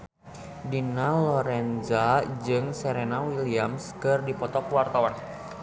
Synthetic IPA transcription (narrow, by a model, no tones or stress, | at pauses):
dinalɔɾɛnzad͡ʒɨŋsɛɾenawiliamskɨrdipɔt̪ɔkwart̪awan